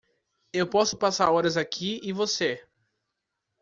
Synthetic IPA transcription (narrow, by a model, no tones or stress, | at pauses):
ewpɔsʊpasaɾɔɾɐzakʰiɪvose